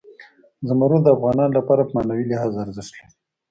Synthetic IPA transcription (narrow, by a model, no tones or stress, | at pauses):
zəmaɾud̪əafɣɑnɑnlapɑɾapəmɑnawilaɦɑzaɾzɪʂt̪le